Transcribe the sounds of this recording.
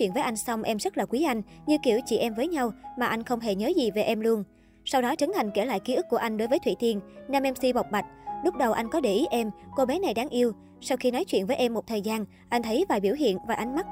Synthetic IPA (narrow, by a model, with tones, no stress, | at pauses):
wḭ˧˨ənvəː˨˦jʔa˧jŋ̟sa˧wŋ͡mʔɛ˧mzə˦˥t̚laː˨˩kwi˨˦ʔa˧jŋ̟ɲɨ˧ki˧˩əwt͡ɕḭ˧˩ʔɛ˧mvəː˨˦jɲa˧wmaː˨˩ʔa˧jŋ̟xə˧wŋ͡mɦe˧˩ɲəː˨˦zi˨˩ve˨˩ʔɛ˧mlu˧ən | sa˧wɗɔ˨˦t͡ɕə˨˦nt̪ʰa˨˩jŋ̟ke˧˩la̰ː˧˨jki˧˨˦ʔɨ˦˥k̚ːu˧˩ʔa˧ŋ̟ɗo˨˦jvəː˨˦jt̪ʰi˧˨t̪i˧ənnaː˧mʔɛ˧msi˧ɓa˨˩wk͡p̚ɓa˨˩jt̟̚lʊ˦˥k͡p̚ɗə˨˩wʔa˧jŋ̟kɔ˨˦ɗe˧˩ʔi˨˦ʔɛ˧mko˧ɓɛ˨˦na˨˩jɗaː˨˦ŋʔi˧əw | sa˧wxi˧nɔ˨˦jt͡ɕwi˧ənvːjʔɛ˧mːo˨˩t̚t̪ʰəː˨˩jzaː˧n | ʔa˧jŋ̟t̪ʰə˨˦jvaː˨˩jɓi˧˩əwɦḭ˧˨ənvaː˨˩ʔa˨˧jŋ̟ma˦˥t̚